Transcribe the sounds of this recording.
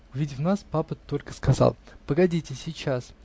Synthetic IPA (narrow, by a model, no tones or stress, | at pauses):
ʊvʲidʲɪfnaspapət̪o̞lʲkə̥skɐzɑ̰lˠpəɡɐdʲitʲɪsʲɪt͡ɕas